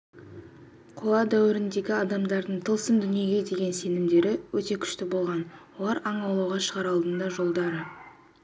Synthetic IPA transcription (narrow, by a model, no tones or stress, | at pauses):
qʰoɑd̪æwɪɾɪnd̪e̞ɡʲɪɑd̪ɑmd̪ɑɾd̪əɴt̪ʰəlˠsəmd̪ʏnije̞ɡʲe̞d̪e̞ɡʲe̞nse̞nɪmd̪e̞ɾɪwɵt̪e̞kʲʰʏ̥ʃt̪ɪbo̞lˠʁɑnwo̞lˠɑɾɑɴɑwlˠɑwʁɑʃəʁɑɾɑlˠd̪ənd̪ɑʒo̞lˠd̪ɑɾə